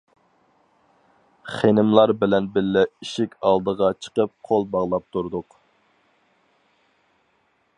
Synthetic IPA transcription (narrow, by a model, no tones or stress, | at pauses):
χenɪmlˠɑɾbɪlɛnbɪlːɛiʃikʲɑlˠd̪əʁɑt͡ʃʰə̥qəp̚qʰolˠbɑʁlˠɑp̚t̪ʰuɾd̪ʊq